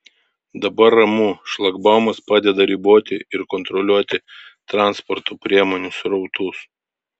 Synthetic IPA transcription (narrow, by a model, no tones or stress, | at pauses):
d̪ɐbɐɾɐmuːʃlˠɐɡbɑʊmɐspɑːd̪ʲɛd̪ɐɾʲiːboːt̪ʲɪɪɾkɔnt̪ɾɔlʲuɔt̪ʲɪt̪ɾɑˑnspɔɾt̪opʲɾʲiɛmoːnʲʊsɾɔʊt̪uːs